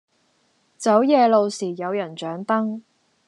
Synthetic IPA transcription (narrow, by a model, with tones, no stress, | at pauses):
t͡sɐ˨˥wjɛː˨˧lo˨˧wsiː˨˩jɐ˨˧wjɐ˨˩nt͡ʃœː˨˥ŋt̪ɐ˥ŋ